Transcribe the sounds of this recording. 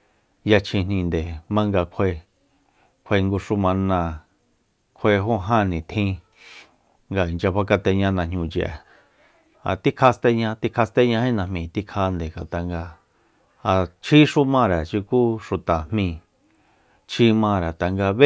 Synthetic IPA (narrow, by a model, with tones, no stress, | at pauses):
ja˧t͡ʃʰĩ˧nĩ˧nd̪e˨mã˦ŋɡa˧kʷʰe˧ | kʷʰe˧ŋɡu˧ʂu˧mã˧nã˧ | kʷʰwe˧ɦo˦ɦã˦˨nĩ˨t̪ʰĩ˦˧ | ŋɡa˧i˨nd͡ʒa˧βa˧ka˧t̪e˧ɲã˧nã˧ɲũ˧t͡ʃʔa̰˨ | a̰˨t̪i˦kʰa˧st̪e˧ɲã˧t̪i˦˧kʰa˧st̪e˦ɲã˧hẽ˦˧nã˧mĩ˧˨t̪i˦kʰa˧nd̪e˨ŋa˨t̪a˨ŋɡa˧ | a˨t͡ʃʰi˦ʂu˦mã˧ɾa˨ʃi˧ku˦ʂu˨t̪a˨hmĩ˧ | t͡ʃʰi˧mã˧ɾa˨t̪a˨ŋɡa˧βe˦